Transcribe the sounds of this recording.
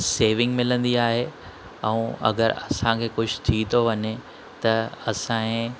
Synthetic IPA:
seːʋɪ̃ŋɡmɪlə̃nd̪iaːɦe | ɛ̃ũɐ̰ɡə̰ɾɐ̰sãkʰeːkʊd͡ʑʱʰʊ̥t̪ʰit̪ʰoʋɐɲe | t̪ɐɐsãːẽ

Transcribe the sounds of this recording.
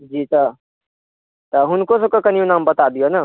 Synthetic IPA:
d͡ʒiːt̪ə | t̪əɦʊnkosəkəkənijunambət̪ad̪ijona

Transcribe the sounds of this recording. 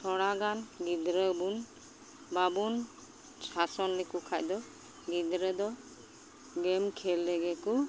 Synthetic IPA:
sʰɔɽaɡanɡid̪ɾəbun | babun | sasɔnlɛkukʰajd̪ɔ | ɡid̪ɾəd̪ɔ | ɡɛmkʰɛlːɛɡɛku

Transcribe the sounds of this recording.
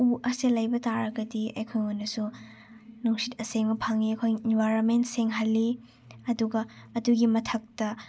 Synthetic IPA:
uʔɐselajbɐtaɾɐɡɐdiɐjkʰojonːɐsu | nuŋsitɐseŋmɐpʰaŋiɐkʰojinbajɾonmentseŋɦɐlːi | ɐduɡɐɐduɡimɐtʰɐk̚tɐ

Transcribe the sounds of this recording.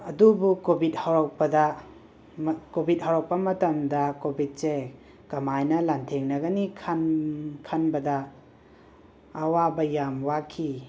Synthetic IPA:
ɐdubukobʱit̚hawɾak̚pɐdɐ | kobʱit̚hawɾak̚pɐmɐtɐmdɐkobʱit̚se | kɐmajnɐlantʰeŋnɐɡɐnikʰankʰanbɐdɐ | wabɐjamwakʰi

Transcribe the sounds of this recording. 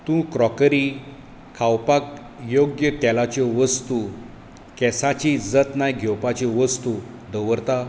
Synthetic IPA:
t̪ũkɾɔkɾi | kʰawpak | joɡjət̪ɛlat͡ɕɔʋəst̪u | kɛsat͡ɕid͡zət̪najɡʱɛwpat͡ɕeʋəst̪u | d̪əwʋəɾt̪a

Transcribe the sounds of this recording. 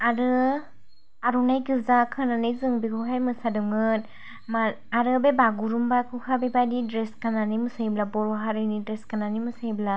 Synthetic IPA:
aɾɯ | aɾunajɡɯzakʰɯnanɯjzɯŋbikʰuɦajmɯsadɯŋɯn | ma | aɾɯbebaɡuɾumbakʰɯkʰabebajdidɾeskananimɯsajblabɔɾɔɦaɾɯnidɾeskananimɯsajbla

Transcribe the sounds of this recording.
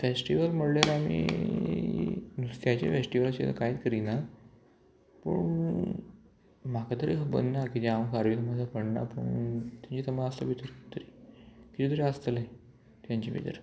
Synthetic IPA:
fesʈiʋəlməɽljaɾamḭː | t̪jat͡ɕḛfesʈiʋəlaɕḛt̪ə̰kajit̪kəɾina | pə̰ɳ | makat̪əɾiɦbə̰nnakit̪eamkaɾʋit̪əmad̪ʱapəɽna̰pəɳt̪jaɲt͡ɕit̪əmaəslə̰bit̪əɾt̪ʰəɾikit̪iːt̪ʰəɾiəst̪əle | t̪jãɲt͡ɕḭbḭd̪ə̰ɾ

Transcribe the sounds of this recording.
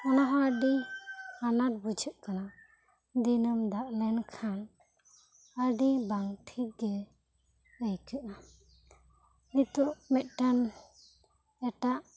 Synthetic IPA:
ɔnaɦɔəɖihanaɾ̚bud͡ʒʱəʔ̚kana | d̪inəmd̪aʔlɛnkʰan | əɖibaŋʈʰiɡɛ | əjkuʔna | it̪uʔmɛt̪̚ʈan | ɛʈaʔ

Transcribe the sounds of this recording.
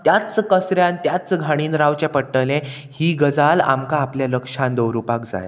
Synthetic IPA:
t̪jat͡skəsɾjãnt̪jat͡sɡʱaɽ̃iːnɾaʋt͡ɕapəɽʈəlẽ | hiːɡəd͡zala̰mkaːpljaləkʂãnd̪owɾupakd͡za̰ja̰

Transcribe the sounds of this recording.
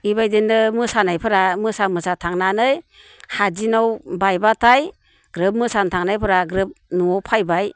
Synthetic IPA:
ibajdɯndɯmɯsanajpʰɯɾamɯsamɯsatʰaŋnanɯj | had͡ʒinawbajbatʰaj | ɡ̥ɾɯp̚mɯsantʰaŋnajpʰɯɾaɡɾɯp̚nuawpʰajbaj

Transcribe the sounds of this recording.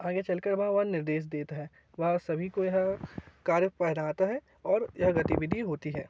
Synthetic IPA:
aːɡet͡ʃɐlkəɾʋɐɦãʋɐɦnɪɾd̪eːʃ̬d̪eːt̪aɦɛː | ʋɐɦasɐbʱikojɐɦkaːɾjəpɛɦnaːt̪aɦɛ | ɔːɾjɐɦɡɐt̪iʋɪd̪ʱiɦoːt̪iɦɛː

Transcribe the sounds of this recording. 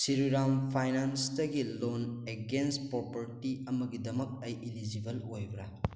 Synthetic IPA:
siɾiɾampʰajnansdɐɡiloneɡenspɾopɐɾtiɐmɐɡidɐmɐk̚ɐjʔilid͡ʒibɐlojbɾɐ̰

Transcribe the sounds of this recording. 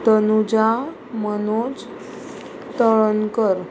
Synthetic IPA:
t̪ənud͡ʑa | mənot͡s | t̪əɭənkəɾ

